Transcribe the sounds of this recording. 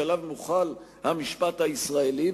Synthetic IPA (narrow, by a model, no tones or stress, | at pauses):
alavmuχal | hamiʃpat̪haisʁaeli